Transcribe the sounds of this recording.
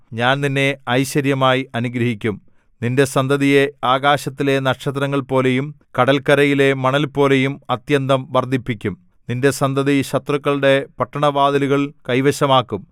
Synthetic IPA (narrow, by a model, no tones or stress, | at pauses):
ɲaːnninːe̞ɐjɕɐɾjɐmaːjiɐnuɡɾɐɦikʲːum | ninde̞sɐnd̪ʱɐðije̞aːɣaːɕɐt̪ːile̞nɐʈʂɐt̪̬rɐŋːɐɭpo̞ːle̞jum | kɐɽɐlkɐɾɐjile̞mɐɳɐlpo̞ːle̞jumɐt̪jɐnd̪ɐmʋɐrd̪ʱipːikʲːum | ninde̞sɐnd̪ʱɐðiɕɐt̪rɐkːɐɭɽe̞pɐʈːɐɳɐʋaːd̪ɐluɣɐɭkɐjʋɐɕɐmaːkːum